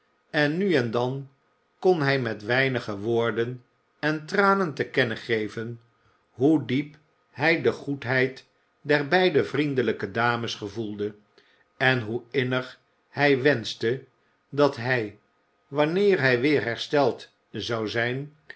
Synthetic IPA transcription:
ɛnːyɛndɑn | konɦɛjmɛtʋɛjnəχəʋoːɹdən | ɛntraːnəntəkɛnəχejvən | ɦudip | hɛjdəχutɦɛjt | dɛɹbɛjdəvrindələkədaːməsχəvulˠdə | ɛnɦuɪnəχ | hɛjʋɛnstə | dɑtɦɛj | ʋɑnɪːɹɦɛjʋɪːɹɦɛɹstɛlˠt | zɑwzɛjn

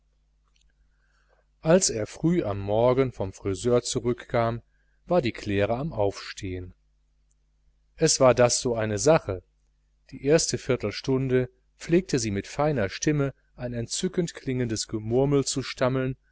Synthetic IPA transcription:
ʔalseːɐfʁ̥yːʔamːɔɐɡən̩fɔmfʁ̥izøːɐt͡suʁʏkːaːm | vaːɐdiːkʰl̥eːʁəamʔaʊfʃtʰeːən | ʔɛsv̥aːɐdasz̥oːʔaɪnəzaχə | d̥iːʔeːɐstəfɪɐtl̩ʃtʊndə | p͡fleːk̚tʰəziːmɪtfaɪnɐʃtɪmə | ʔaɪnɛntt͡sʏkəntkʰl̥ɪŋəndəsɡ̥əmʊɐml̩t͡suʃtaml̩n

